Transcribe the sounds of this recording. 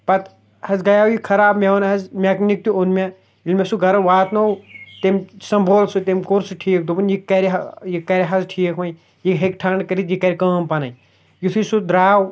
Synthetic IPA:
pɐt̪ | hɐzɡɐjaːwjikʰɐɾaːbmewnɦɐzmʲeknik̚t̪uonmʲe | ilmʲesuɡɐɾɐʋaːt̪nowt̪emsɐmbʱoːlsut̪emkoɾsuʈʰiːk̚d̪upɨnjikːɐɾiɦɐjikːɐɾʲiɦɐzʈʰiːkʰʋɐ̃j | jiɦekʈʰaɳɖkɐɾit̪jikɐɾʲikɐːmpɐnɐj | jut̪ʰusud̪ɾaːw

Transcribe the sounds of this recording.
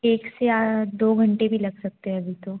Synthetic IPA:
eːkseaːd̪oːɡʱɐ̃ɳʈebʱilɐɡsɐk̚t̪eɦɛ̃ɐbʱit̪o

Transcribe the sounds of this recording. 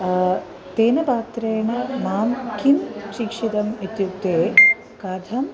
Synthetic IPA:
t̪eːnɐpaːt̪ɾɐjɐɳɐmaːmkinʃikʂit̪ɐmet̪juk̚t̪eː | kaːd̪ʱɐm

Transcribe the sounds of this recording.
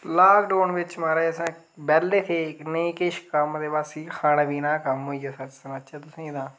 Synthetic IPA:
laːkɖoːnʋɪt͡ʃmaːɾaesãː | bɛːlːeːt̪ʰeːkneĩːkɪʃkəmd̪eːbaːsiːkʰaːnaːʋiːnãːkəmɦoːiːaːsat͡ʃsənaːt͡ʃaːt̪ʊsĩːɪd̪ãː

